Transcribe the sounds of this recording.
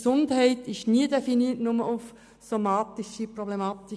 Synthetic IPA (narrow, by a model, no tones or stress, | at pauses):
sʊndhɛɪtɪʃniədɛfiniːtnʊməʔuf | somɑːtiʃipɾɔblemɑːt̪i